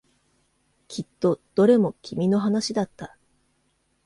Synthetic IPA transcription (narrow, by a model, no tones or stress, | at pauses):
kʲʰit̪ːo̞d̪̥o̞ɾe̞mo̞kʲimʲino̞ɦanaɕid̪at̪ːa